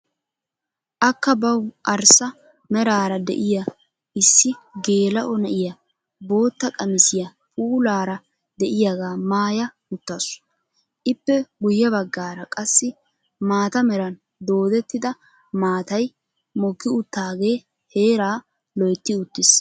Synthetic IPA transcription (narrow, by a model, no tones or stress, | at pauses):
ʔɐkːɐbɐwʔɐɾsɐ | mɛɾaːɾɐd̪ɛ̰ʔɪjɐ | ʔɪsːɪɡe̞ːlɐʔɔnɐʔɪjɐ | bo̞ːt̪ːɐkʼɐmɪsɪjɐ | pʼuːlaːɾɐ | d̪ɛʔɪjaɡaːmaːjɐ | ʊt̪ːɐsʊ̥ | ʔɪpːɛɡʊjːɐbɐɡːaːɾɐkʼɐsːɪ | maːt̪ɐmɛɾɐn | d̪o̞ːd̪ɛt̪ːɪd̪ɐ | maːt̪ɐj | mɔɡːɪʊt̪ːaːɡe̞ː | he̞ːɾaː | lɔjt̪ːɪʊt̪ːɪs